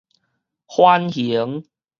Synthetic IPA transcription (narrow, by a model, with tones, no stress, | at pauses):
hwa˦nhi˨˦ə˦ŋ